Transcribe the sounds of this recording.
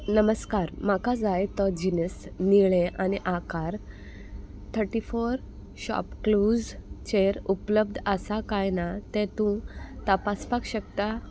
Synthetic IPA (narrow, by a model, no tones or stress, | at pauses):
nəməskaɾmakad͡zajt̪ɔd͡ʑinəsniɭeʔaniʔakaɾ | t̪ʰəɾʈifoɾ | ɕɔ̰pklud͡zt͡ɕeɾupləb̚d̪ʱəsakajnat̪ẽt̪ũt̪əpaspakɕəkt̪a